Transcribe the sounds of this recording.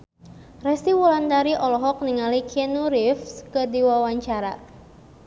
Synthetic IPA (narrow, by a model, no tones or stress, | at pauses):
rɛstiwɔlandaɾiʔɔlɔɦɔk̚niŋalikʰɛnuɾifskədiwawaɲt͡ʃaɾa̰